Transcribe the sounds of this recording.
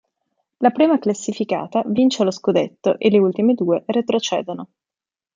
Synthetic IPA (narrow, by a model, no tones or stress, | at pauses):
lapɾiːmaklasːifika̰ːt̪avint͡ʃeloskud̪et̪ːo̰ʔelːeult̪imed̪uːeret̪ɾot͡ʃɛːd̪ono